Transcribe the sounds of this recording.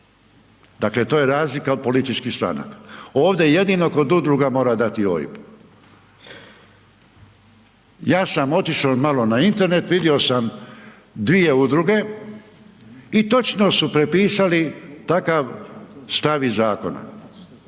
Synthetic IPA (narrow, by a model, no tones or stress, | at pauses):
d̪akle̞t̪oːjeɾaːzlikaod̪̚po̞lit̪it͡ʃkist̪ɾa̰na̰ko̞ːʋd̪e̞je̞d̪ino̞ko̞d̪ud̪ɾuɡamo̞ːɾad̪at̪io̰jḭp | jaːsamo̞t̪iʃomalo̞naint̪e̞ɾne̞t̪ʋid̪io̞sam | d̪ʋije̞ud̪ɾuɡe̞ | it̪o̞t͡ʃnosupɾe̞piːsalit̪akaʋst̪aʋizaːko̞na̰